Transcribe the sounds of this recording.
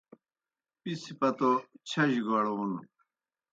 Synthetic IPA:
pisipɐt̪ot͡ɕʰɐʑɡoɽounu

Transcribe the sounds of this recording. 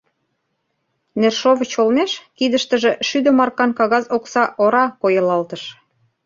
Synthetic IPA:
nerʃoβət͡ɕolmeʃkid̪əʃt̪ə̆ʒĕʃyd̪ə̆mɑrkɑnkɑɣɑzoksɑʔoɾɑkojɤ̆lɑlt̪əʃ

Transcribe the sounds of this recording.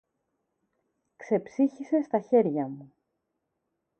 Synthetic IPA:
kse̞psiçise̞st̪ɐçe̞ɾʝɐmu

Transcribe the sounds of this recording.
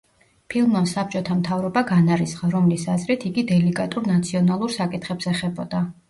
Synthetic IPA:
pʰilˠmɔnsap̚t͡ʃʼɔt̪ʰamt̪ʰavɾɔbaɡanaɾisχaɾɔmlisazɾit̪ʰiɡid̪ɛlikʼat̪ʼuɾnat̪sʰiɔnalˠuɾsakʼit̪ʰχɛpsɛχɛbɔd̪̥a

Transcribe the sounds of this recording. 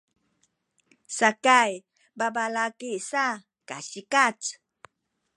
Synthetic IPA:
sakaj | babalakiʔsa | kaɕikat͡s

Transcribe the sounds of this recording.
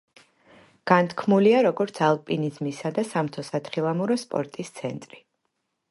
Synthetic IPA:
ɡ̥ant̪ʰkʰmuliaɾɔɡɔɾt̪sʰalˠpʼinizmisad̪asamt̪ʰɔsat̪χilˠamuɾɔspʼɔ̰ɾt̪ʼist̪sʰɛ̰nt̪ʼɾi

